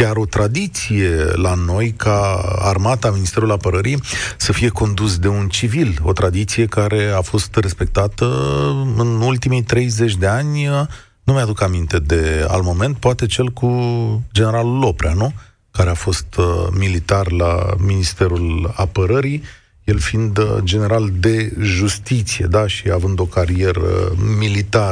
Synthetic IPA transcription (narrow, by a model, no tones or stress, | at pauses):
kʲaɾo̞t̪ɾad̪it̪sije̞lano̞jkʰaa̰rmat̪aminist̪eɾulapəɾəɾisəfije̞ko̞nd̪usd̪e̞unt͡ʃivilo̞̰t̪ɾad̪it̪sije̞kaɾe̞afo̞st̪re̞spe̞k̚t̪at̪əɨnult̪imijt̪ɾe̞jze̞t͡ʃʲd̪e̞anʲə | numajad̪ukamint̪e̞d̪e̞a̰lmo̞me̞nt̪̚poat̪e̞t͡ʃe̞lkud͡ʒene̞ɾalulo̞pɾa̰nu | kaɾeafo̞st̪milit̪arla̰minist̪e̞ɾulapəɾəɾi | je̞lfind̪d͡ʒe̞ne̞ɾald̪e̞ʒust̪it̪sije̞̰d̪aʃiavɨnd̪o̞kaɾije̞ɾə̰milit̪a